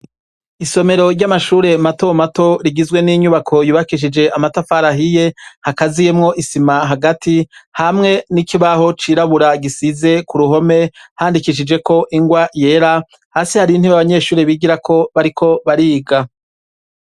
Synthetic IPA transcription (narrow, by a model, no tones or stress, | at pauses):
iso̞me̞ɾo̞ɾɟamaʃuːɾe̞mato̞mato̞ɾiɡizɡwe̞niɲuβakʰo̞juβakiʃ̬id͡ʒe̞ʔamatafaɾaɦije̞hakazije̞mŋo̞ʔisimaɦaɡatihamŋe̞nikiβaɦo̞t͡ʃiːɾaβuɾaɡisize̞kuɾuɦo̞me̞haːndikiʃ̬id͡ʒe̞ko̞ʔiŋɡwaje̞ːɾa | haːsihaɾinhiβaβaɲe̞ʃuːɾiβiɡiɾakʰo̞βaɾikʰo̞βaɾiːɡa